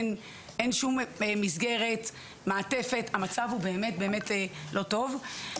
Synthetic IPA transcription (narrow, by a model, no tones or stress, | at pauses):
n | enʃumemizɡeʁe̞t | maːte̞fe̞thamat͡savhube̞ːme̞t̚be̞ːme̞telʔo̞to̞v